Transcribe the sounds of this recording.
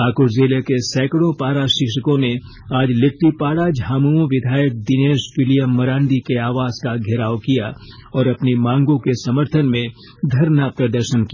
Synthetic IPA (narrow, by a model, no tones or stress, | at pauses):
aːkʊɾzeːlekesɛːkɽõpaːɽaʃɪkʃəkõnẽ | aːd͡ʒlɪk̚ʈ̪ipaːɽad͡ʒʱɦaːmuõʋɪd̪ʱaːjək̚d̪ɪneːʃfɪlijəmːɐɾãːɳɖ̪ikeaːʋaːz̥kaɡʱɪɾaːwkijaɔːɾɐpnimãːŋɡõkesɐməɾt̪ʰənmẽ | d̪ʱɐɾnapɾɐd̪əɾʃənkia